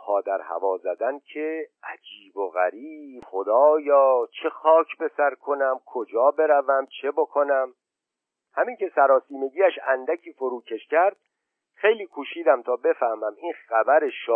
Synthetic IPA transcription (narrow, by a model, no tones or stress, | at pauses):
pʰɒːd̪æɾhæ̰vɒːzæd̪æncʰeʔæd͡ʒiːboɣæɾiːbχo̞d̪ɒːjɒːt͡ʃʰe̞xɒːcʰbesæɾkʰo̞næmkʰo̞d͡ʒɒːbe̞ɾævæmt͡ʃʰe̞bokʰo̞næm | hæmiŋce̞sæɾɒːsiːme̞ɡiːæʃænd̪æcʰiːfoɾuːcʰe̞ʃcʰæɾd̪̚ | xe̞jliːkʰuːʃiːd̪æmt̪ʰɒːbe̞fæhmæminxæbæɾeʃ